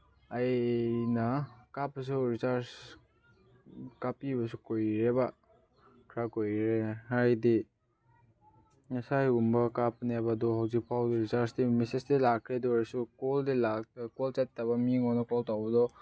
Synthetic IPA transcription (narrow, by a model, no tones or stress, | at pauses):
ajnakapːs̬uɾisaɾs | kapibɐs̬ukojɾeba | kʰɾakojɾeɦajdi | ŋɐsajumbakap̚nebadɔɦawzik̚pʰawduɾisaɾsdimesesdilakʰːɾedɔɾsukɔldilakɔlt͡ʃet̚ːabamiŋɔnakɔltawbɐdɔ